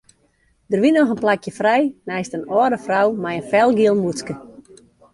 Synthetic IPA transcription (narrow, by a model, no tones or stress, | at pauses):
dərʋinɔxənplakjəfrɛjnɛjstənɔəɾdəfrawmajənfɛlˠɡiəlˠmuətskə